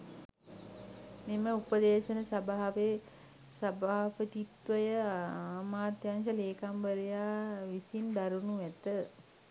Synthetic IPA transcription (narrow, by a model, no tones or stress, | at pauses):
niməupəd̪eːʃənəsabaːʋe | sabaːʋət̪it̪ʋəjəaːmaːt̪janʃəleːkambəɾejaːʋisind̪aɾunuʋɛt̪ə